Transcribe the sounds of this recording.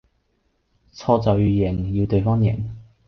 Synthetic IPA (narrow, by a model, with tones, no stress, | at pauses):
t͡sʰɔː˧t͡sɐ˨wjyː˨˧jɪ˨˩ŋjiː˧wt̪ɵ˨ɥfɔː˥ŋjɛ̰˨˩ŋ